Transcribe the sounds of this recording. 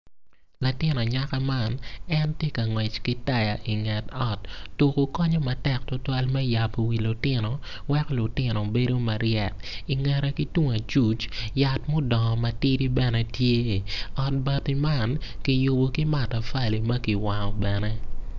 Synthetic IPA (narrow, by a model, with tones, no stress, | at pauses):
la˨tɪ˦nɔ˨ɲaka˦ma˦˨nɛ˦ntje˦kɐ˨ŋwɛ˨t͡ʃki˦ta˦ja˨ʔi˨ŋɛ˨tɔ˦tːu˨ko˨kɔ˦ɲɔ˦mɐ˨tɛ˦k̚tʊ˦twa˦lmɛ˦ja˨po˨wi˨lʊ˨tɪ˦nɔ˨ | wɛ˦klʊ˨tɪ˦nɔ˨be˦do˦mɐ˨ɾɪɛ˨ti˨ŋɛ˨ɾɛ˦ki˦tu˦ŋa˨t͡ʃu˦t͡ʃja˨tmo˦dɔ˨ŋ˨mɐ˨ti˦ɾi˦bɛ˦nɛ˦tje˦ɔ˨t̚ba˦ti˦ma˦˨nki˨ju˨bo˨ki˦ma˨ta˨fa˦li˨mɐ˦ki˨wa˨ŋɔ˨bɛ˨nɛ˦